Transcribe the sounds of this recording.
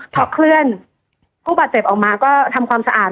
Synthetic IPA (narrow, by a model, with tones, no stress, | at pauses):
t̪ʰɔ˦˥kʰlɯ˥˩ən | kuː˥˩baː˨˩t͡ɕe˨˩p̚ʔɔː˨˩maː˧kɔː˥˩t̪ʰa˧mkʰwaː˧msa˧ʔaː˨˩t̪̚